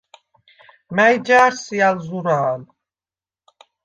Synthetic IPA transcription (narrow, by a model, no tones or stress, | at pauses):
mɛjd͡ʒaːɾsijalzuɾaːl